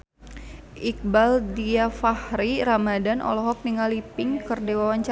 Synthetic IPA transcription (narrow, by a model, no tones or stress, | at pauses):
ʔik̚baldiafahɾiɾamadanʔɔ̰lɔɦɔk̚niŋalipɪŋkərdewawaɲt͡ʃa